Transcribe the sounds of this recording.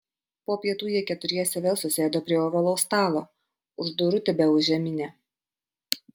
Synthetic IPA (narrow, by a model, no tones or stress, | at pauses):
poːpʲiɛt̪uːjiɛkʲɛt̪ʊɾʲiɛsʲɛʋʲeːlˠsʊsʲeːd̪oːpʲɾʲiɛoːʋɐlˠɔʊst̪ɑːlˠoː | ʊʒd̪ʊɾʊt̪ʲɛbʲɛʊʒʲɛmʲɪnʲɛː